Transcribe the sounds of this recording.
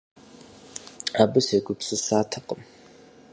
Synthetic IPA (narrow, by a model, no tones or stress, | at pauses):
aːbɨseɡʷʊpsɨsaːtʰɐqʼəm